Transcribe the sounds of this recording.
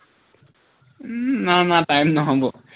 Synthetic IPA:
nanatajmnʌɦɔ̃bo

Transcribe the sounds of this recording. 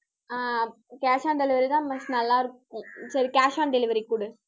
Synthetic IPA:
a | kaːʃaːɳɖɛlɪʋɐɾid̪ãːmɐsnɐlːãːɪɾɯkːʊ̃sɐɾikaːʃaːnɖɛlɪʋɐɾikːuːɽɐ

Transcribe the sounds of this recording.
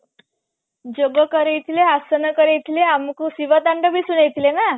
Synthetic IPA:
d͡ʑoɡəkəɾejt̪ʰileasənəkəɾejt̪ʰleamkusiʋət̪aɳɖəbʱiːsunejt̪ilena

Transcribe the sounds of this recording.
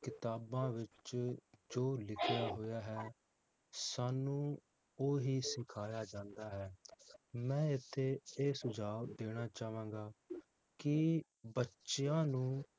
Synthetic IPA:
kɪt̪aːbãːʋɪt͡ʃ | d͡ʒoːlɪkʰɪjaːɦoːjaːɦɛː | saːnũː | oːɦiːsɪkʰaːjaːd͡ʒãːnd̪aːɦɛː | mɛ̃ːɪt̪ʰːeːeːsʊd͡ʒaːʋd̪eːɽ̃aːt͡ʃaːʋãːɡaː | kɪ | bətːʃjãːnũː

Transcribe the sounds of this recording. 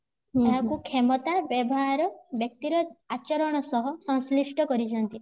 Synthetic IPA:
aɦakukʰemɔt̪abjɔbɔɦaɾɔbjɔk̚t̪iɾɔat͡ʃɔɾɔɽ̃ɔsɔɦɔsɔ̃ŋslisʈɔkɔɾid͡ʒʰant̪i

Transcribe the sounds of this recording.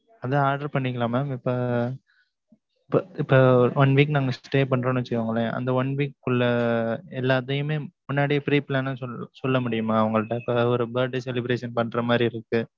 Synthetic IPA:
ɐðɐ̃aːɾɖɐɾpɐɳːɪkːɐlaːmɐmɪpːoː | pɐɪpːoːʋɐnʋiːk̬naːŋɡɐsʈeːpɐɳːɾɐːnʊ̃t͡ʃːɯɐŋɡɐɭẽɐ̰nd̪ɐʋɐnʋiːkːʊɭːɐɛlːaːt̪ɐjɯmeːmʊnːaːɽɪjɐpɾiːplaːnnɔsɔlːɐmʊɽɪjɯmaːɐʋɐŋɡɐɭɯʈːɐ̃ɪpːɐɔɾɯbɐːɾɖesɛlɪbɾeːʂɐnpɐɳːɾɐmaːd̪ɾiɪɾɯkːɯ

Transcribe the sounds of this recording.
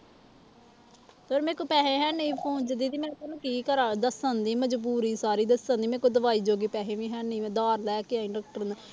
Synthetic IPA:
t̪oɾmɛ̃ːkoːpɛːɦẽːɦɛːnĩːpʰoːnt͡ʃəd̪iːd̪iːmɛ̃ːt̪onũːkiːkəɾaːd̪əsãːnd̪iːməd͡ʒbuːɾiːsaːɾiːd̪əsãːnd̪iːmɛ̃ːkoːd̪əʋaːiːd͡ʒoːɡiːpɛːɦẽːʋĩːɦɛːniːmɛ̃ːd̪aːɾlɛːkɪaːɪ̃ɳɖək̚ʈəɾna

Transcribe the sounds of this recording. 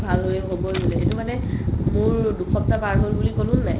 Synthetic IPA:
bʱalɦojɛɦobɔɡolɛetumanɛmʊɹdukʰɔp̚tapaɹɦolbulikolʊnːaj

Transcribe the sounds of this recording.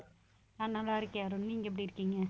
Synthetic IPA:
analːaːɪɾɯkːɯjaːɾʊnniːŋɡɐp̬ːɐɽiɾɯkːiːŋɡɐ

